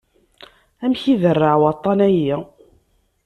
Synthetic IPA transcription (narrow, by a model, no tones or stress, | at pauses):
æmçiðərːaʕwɑt̪ˤːɑnæji